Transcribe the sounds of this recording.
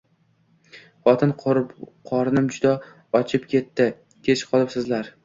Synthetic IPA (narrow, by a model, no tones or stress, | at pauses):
χɒt̪ʰɪnqʰɒɾnɪmd͡ʒʊd̪a | ɒt͡ʃʰɪpkʲʰe̞t̪ːɪ | kʲʰe̞t͡ʃqʰɒlˠɪpsɪzlaɾ